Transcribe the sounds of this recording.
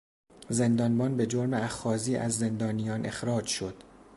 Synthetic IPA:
ze̞nd̪ɒːnbɒːnbe̞d͡ʒoɾmeæxɒːziːʔæ̰zːe̞nd̪ɒːnijɒːnʔe̞xɾɒːd͡ʒʃo̞d̪̥

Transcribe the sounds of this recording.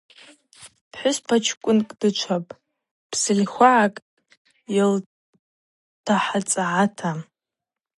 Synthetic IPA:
pʰħʷᶣʊspʰat͡ʃʰkʷʼʊnkʼd̥ɨt͡ʃʷʰapʼ | pʰsɨlʲxʷaʕakʼ | jal | tʰaħat͡sʼaʕatʰam

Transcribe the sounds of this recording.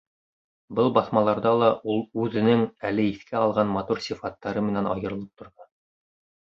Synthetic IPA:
bɤlˠbɑθmɑlˠɑɾðɑlˠɑulˠʉðɘ̆nɘŋælɘiθkʰæɑlˠʁɑnmɑt̪uɾsʲifɑt̪ːɑɾɤmɘ̆nænɑ̰jɤ̆ɾɤ̆lˠɤp̚t̪ʰŏɾðɤ

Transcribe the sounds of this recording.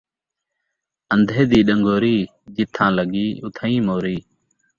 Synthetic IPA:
ənd̪ʱeːd̪iːɗəŋɡoːɾiː | d͡ʒɪt̪ʰːãːləɡiːʊt̪ʰəːĩːmoːɾiː

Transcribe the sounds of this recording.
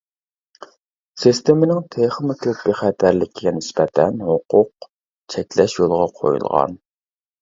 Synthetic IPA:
sist̪emɪnɪŋt̪ʰeχmɪk̪ʲʰøpːiχæt̪ʰæɾlɪkʲʰiɡʲɛnɪspɛt̪ʰɛnhʊqʊq | t͡ʃʰɛkʲlɛʃjolˠʁɑqʰo̰jṵlˠʁɑ̰n

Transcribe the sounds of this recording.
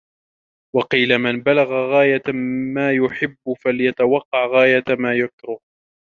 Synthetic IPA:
wɑqiːlamɪnbalaɣaɣaːjamaːjʊħɪbːʊfaljat̪awɑqːɑʕɣaːjat̪maːjʊkɾʊh

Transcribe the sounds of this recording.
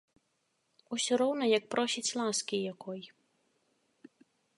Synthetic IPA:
usʲɔɾɔwnɔjɐk̚pɾɔsʲit͡sʲlˠaskʲijakɔj

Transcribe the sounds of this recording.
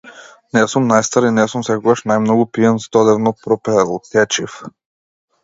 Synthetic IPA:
nɛsumnajst̪aɾinɛsumsɛkɔɡaʃnajmnɔɡupiɛnsd̪ɔd̪ɛvnɔpɾɔpɛlˠut̪ɛt͡ʃif

